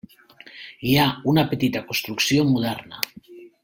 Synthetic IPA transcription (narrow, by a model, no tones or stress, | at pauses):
iaunapet̪it̪akonst̪ɾuksiomuð̞ɛɾna̰